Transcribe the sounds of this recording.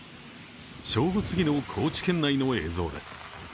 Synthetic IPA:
ɕo̞ːɡosɨɡʲino̞kʰo̞ːt͡ɕi̥kẽ̞nːaino̞e̞̰ːzo̞̰ːd̪e̞sɨ̥

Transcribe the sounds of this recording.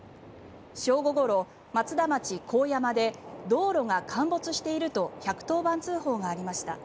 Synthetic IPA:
ɕo̞ːɡo̞ɡo̞ɾo̞ | mat͡sɨd̪amat͡ɕikʰo̞ːjamad̪e̞d̪o̞ːɾo̞ŋakʰãmbo̞t͡sɨɕi̥t̪e̞iɾɯ̟t̪o̞çakɯ̟̥t̪o̞ːbãnt͡sɨːho̞ːɡaːɾʲimaɕi̥t̪a

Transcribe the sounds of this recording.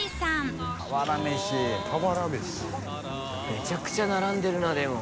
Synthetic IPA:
sãmaβaɾameɕipʰabaɾad̪es | me̞t͡ɕakɯ̟̥t͡ɕanaɾãnd̪e̞ɾɯ̟nod̪e̞mo

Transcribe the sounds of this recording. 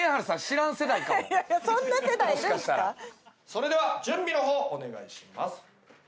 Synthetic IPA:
ehaɾɯ̟sãɕiɾãɰ̃se̞d̪aikkasõnːase̞d̪aiiɾɯ̃aɕi̥t̪aaso̞ɾe̞d̪e̞βad͡ʑɨ̃mbʲino̞ɦo̞ːʔone̞ɡa̰iɕima̰sɨ̥

